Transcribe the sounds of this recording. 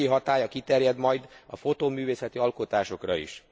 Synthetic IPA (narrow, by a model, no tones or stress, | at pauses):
iɦɒt̪aːjɒkit̪ɛrjɛd̪mɒjd̪ɒfo̞t̪oːmyːveːsɛt̪iɒlko̞t̪aːʃo̞krɒḭʃ